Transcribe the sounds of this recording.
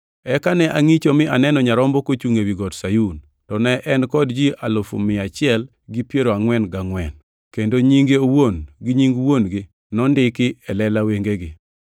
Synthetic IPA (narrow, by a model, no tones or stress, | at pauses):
ɛkanɛʔaŋit͡ʃomɪʔanɛnɔɲaɾɔmbɔkot͡ʃuŋewiɡɔdsajun | tɔnɛʔɛnkɔdd͡ʒiʔalʊfo̰mɪat͡ʃɪɛl | ɡipjeɾoaŋwɛnɡaŋwɛn | kendoɲiŋɡeowonɡɪɲiŋɡwonɡɪ | nɔndɪkɪɛlɛlaweŋɡeɡɪ